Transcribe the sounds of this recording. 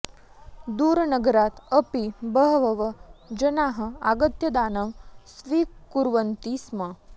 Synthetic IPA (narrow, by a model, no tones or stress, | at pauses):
d̪uːɾnəɡəɾaːt̪əpibəɦʋəʋəd͡ʒənaɦə̆a̰ɡət̪jɐd̪aːnɐmsʋiːkuɾʋənt̪ismɐ